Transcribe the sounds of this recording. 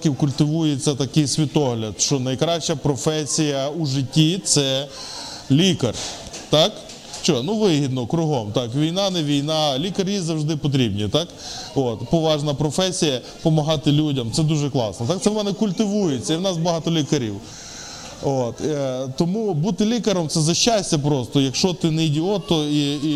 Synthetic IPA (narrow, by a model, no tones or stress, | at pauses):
kʲiwkʊlʲt̪ɪʋujet͡sʲːɐt̪ɐkɪjsʲʋʲit̪ɔɦlʲɐd̪ʃt͡ʃɔnɐjkɾɑʃt͡ʃɐpɾɔfɛsʲijɐuʒɪtʲːit̪sɛ | lʲikɐr | t̪ɑk | t͡ʃɔnuʋɪɦʲid̪nɔkɾʊɦɔmt̪ɑkʋʲijnɑnɛʋʲijnɑlʲikɐrjizɐwʒd̪ɪpɔt̪̬ɾʲibnʲit̪ɑkot̪pɔʋɑʒnɐpɾɔfɛsʲijɐ | pɔmɐɦɑt̪ɪlʲudʲɐmt̪sɛd̪uʒɛklˠɑ̰snɔt̪ɑkt̪sɛʋɔnɛkʊlʲt̪ɪʋujet͡sʲːɐiwnɑsbɐɦɑt̪ɔlʲikɐɾʲḭw | ot̪t̪ɔmubut̪ɪlʲikɐɾɔmt̪sɛzɐʃʲːasʲtʲɐp̬ɾɔst̪ɔjɐkʃt͡ʃɔt̪ɪnɪjdʲiɔt̪ːɔi